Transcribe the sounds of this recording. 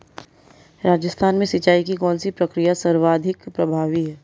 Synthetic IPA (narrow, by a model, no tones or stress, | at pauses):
ɾaːd͡ʒəst̪ʰaːnmẽsɪt͡ʃaːikikɔːnsipɾɐkɾijasɐɾʋaːd̪ʱɪkpɾɐbʱaːʋiɦɛː